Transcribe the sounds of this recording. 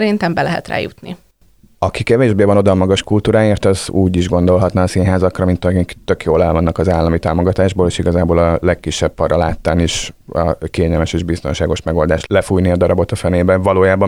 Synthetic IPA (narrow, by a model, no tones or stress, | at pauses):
ɾint̪ɛmbɛlɛɦɛ̰t̪ra̰ːjṵt̪nḭ | ɒkikɛveːʒbeːvɒno̞d̪ɒːmɒɡɒʃkult̪uːɾaːjeːrt̪ɒzuːɟiʒɡo̞nd̪o̞lɦɒt̪nɒːsinɦaːzɒkrɒmint̪ɒmɛɡiŋkt̪ø̞kjoːlɛlvɒnːɒkɒzaːlːɒmit̪aːmo̞ɡɒt̪aːʒboːleːʃiɡɒzaːboːlɒlɛkkːiʃːɛb̚pɒɾɒlaːt̪ːaːniʃɒ̰keːɲɛlmɛʃeːʒbist̪o̞nʃaːɡo̞ʃmɛɡo̞ld̪aːʃt̪lɛfujniɒd̪ɒɾɒbo̞t̪ɒfɛneːbɛvɒloːjaːbɒ